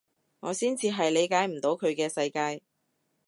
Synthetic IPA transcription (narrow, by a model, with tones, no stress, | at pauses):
ŋɔː˨˧siː˥nt͡sʰiː˨˧ɦɐ˨jle˨˧jkaː˨˥jm̩˨˩t̪o˨˧wkʰɵ˨˧ɥkɛː˧sɐ˧jkaː˧j